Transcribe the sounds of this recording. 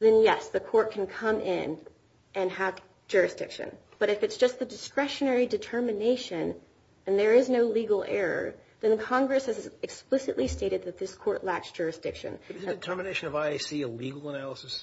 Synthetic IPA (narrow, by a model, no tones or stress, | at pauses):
ðɨ̃njɛsðɨkʰɔɹt̚kʰɨ̃n̩kʰʌ̃mʔɪ̃n | ʔɨ̃nəv̥ | d͡ʒ̥ʊɹɨsd̥ɪ̰kʃɨ̰̃n | b̥ʌɾɨfɨtsd̥ʒ̥ʌst̪̚ðɨdɨskɹɛʃɨnɛɹidɨtʰɜ˞mɨneɪʃɨ̃n | ɨ̃nðə˞ɪznoʊliɡl̩ˠɛ̰ɹə̰˞ | ðɨ̃nðɨkʰɑ̃ŋɡɹɨshɨzɨksplɪsɨ̰ʔˡlisteɪɾɨd̪̚ðɨt̪̚ðɪskʰɔɹʔˡlæksd̥ʒ̥ʊɹɨsd̥ɪkʃɨ̰̃nzɨtʰɜ˞mɨneɪʃɨ̃nʌvaɪesiɨliɡl̩ˠənælˠəsɨs